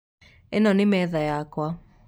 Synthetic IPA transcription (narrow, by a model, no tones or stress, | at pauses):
ɛnɔnɪmɛðajakwa